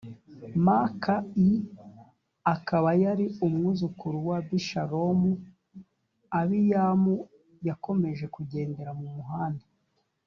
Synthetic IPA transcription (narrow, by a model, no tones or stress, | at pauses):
makai | akaβajaɾiumŋuzukuɾuwabiʃaɾo̞mu | aβijaːmu | jako̞me̞ʒe̞kuɟe̞ːnde̞ɾamumuɦaːnda